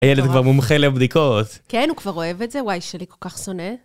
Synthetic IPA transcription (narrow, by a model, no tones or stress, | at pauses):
ajeled̪kvaʁmomχeleabd̪ikot̪kenhukv̥aʁo̞evetzewajʃeliko̞lkaχso̞ne